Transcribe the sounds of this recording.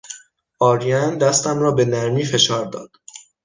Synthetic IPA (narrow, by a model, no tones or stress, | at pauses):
ʔɒːɾijænd̪æst̪æmɾɒːbe̞næɾmiːfe̞ʃɒːɾd̪ɒ̰ːd̪̥